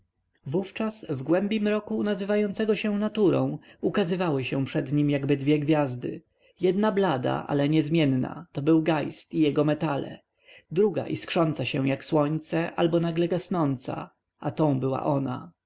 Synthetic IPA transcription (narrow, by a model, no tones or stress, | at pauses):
vuft͡ʂasvɡwɛmbʲjimɾɔkunazɘvajɔnt̪sɛɡɔɕɛ̃nat̪uɾɔ̰̃w̃ukazɘvawɘɕɛpʂɛd̪ɲimjaɡbɘd̪vʲjɛɡvʲjazd̪ɘ̰ | jɛd̪nablad̪a̰ʔa̰lɛɲɛzmʲjɛnna̰t̪ɔbɘwɡajst̪ijɛɡɔmɛt̪alɛ̰ | d̪ɾuɡa̰ʔiskʂɔnt̪saɕɛwjakswɔɲt̪sɛʔalbɔnaɡlɛɡasnɔnt̪sa̰ | at̪ɔ̃w̃bɘwa̰ʔɔna̰